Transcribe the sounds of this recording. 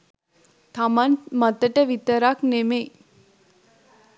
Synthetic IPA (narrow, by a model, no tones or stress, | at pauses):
t̪ʰamanmət̪əʈəʋit̪əɾakneme